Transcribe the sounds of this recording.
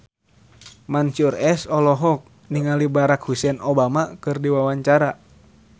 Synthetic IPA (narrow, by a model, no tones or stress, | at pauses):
mant͡ʃurɛsɔlɔɦɔk̚ | niŋalibaɾak̚husɛnɔbamakɨrdiwawaɲt͡ʃaɾa